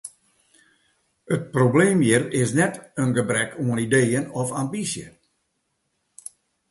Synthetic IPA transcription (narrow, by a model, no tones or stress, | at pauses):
ət̚probleːmjɪrɪsnɛtənɡəbrɛkʰoənideːənɔfambisjə̰